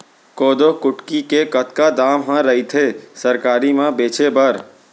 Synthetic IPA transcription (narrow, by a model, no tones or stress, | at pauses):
koːd̪okʊʈkikekət̪kad̪aːmɦãɾəɦit̪ʰesəɾkaːɾimãbeːt͡ʃʰebəɾ